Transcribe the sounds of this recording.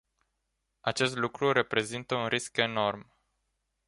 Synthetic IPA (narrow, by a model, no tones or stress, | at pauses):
at͡ʃe̞st̪lukɾuɾe̞pɾe̞zint̪əunɾʔiske̞no̞rm